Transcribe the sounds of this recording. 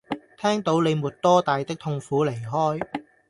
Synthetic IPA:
t̪ʰɛː˥ŋt̪o˨˥wne˨˧jmuː˨˩t̚t̪ɔː˥t̪aː˨jt̪ɪ˥k̚t̪ʰʊ˧ŋfuː˨˥le˨˩jɦɔː˥j

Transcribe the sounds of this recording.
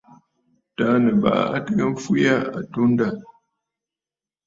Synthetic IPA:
ta˦nə˨ba̰˨ʔa̰˦tə˦ɣə˦ɱ˦fu˦ja˦a̰˨tu˦n˦da˦˨

